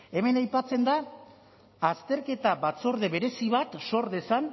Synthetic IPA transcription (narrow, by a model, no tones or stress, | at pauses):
e̞me̞najpat͡se̞nd̪aː | st̪e̞ɾke̞t̪aβat͡so̞ɾðe̞βe̞ɾe̞siβat̪so̞ɾðe̞san